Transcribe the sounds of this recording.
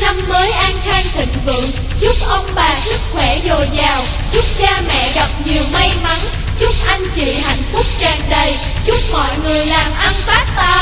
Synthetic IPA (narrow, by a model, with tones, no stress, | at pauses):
na˧mməː˨˦jʔa˧ŋxaː˧ŋt̪ḭ̈˧˨ŋ̟vɨ̰˧˨əŋ | zʊ˦˥k͡p̚ʔə˧wŋ͡mɓaː˨˩sɨ˦˥k̚xwɛ˧˩zo˨˩jzaː˨˩w | zʊ˦˥p̚t͡ɕaː˧mɛ̰˧˨ɣa˨˩p̚ɲi˨˩əwma˧jma˨˦n | zʊ˦˥k͡p̚ʔa˧jŋ̟t͡ɕḭ˧˨ɦa̰˧˨jŋ̟fʊ˦˥k͡p̚t͡ɕaː˨˩nɗə˨˩j | zʊ˦˥k͡p̚mɔ̰˧˨jŋɨ˨˩əjlaː˨˩mʔa˧nfaː˦˥k̚t̪aː˨˦